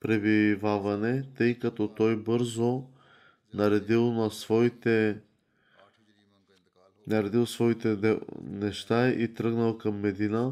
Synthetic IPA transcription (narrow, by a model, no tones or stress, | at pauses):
pɾɛbivavɐnɛt̪ɤjkɐt̪ɔt̪ɔjbɤɾzo | nɐɾɛd̪ilˠnɐsvɔit̪ɛ | nɐɾɛd̪ilˠsvɔit̪ɛɛnɛʃt̪aḭt̪ɾɤɡnəlˠkɐmːɛd̪inə